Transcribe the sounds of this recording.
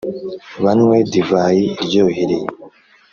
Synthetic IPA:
βanwedivaːjiːɾɟoːhiɾe

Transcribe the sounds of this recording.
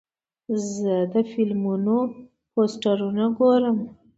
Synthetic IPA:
zəd̪əfɪlmuno | posʈaɾunaɡoɾəm

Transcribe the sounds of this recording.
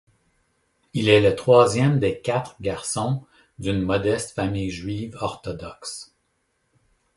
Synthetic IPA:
ilɛlət̪χwɑːzjɛmd̪eːkʲat̪χɡʲaʁsɔ̃ | d̪ynmɔd̪ɛst̪famijʒɥiːvɔʁt̪ɔd̪ɔks

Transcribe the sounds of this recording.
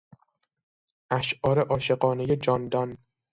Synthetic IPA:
ʔæʃʔɒːɾe̞ʔɒːʃe̞ɢɒːneje̞d͡ʒɒːnd̪ɒn

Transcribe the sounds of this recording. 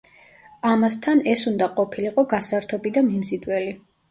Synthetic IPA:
amast̪ʰanɛsund̪aqʼɔpʰiliqʼɔɡasaɾt̪ʰɔbid̪amimzid̪wɛli

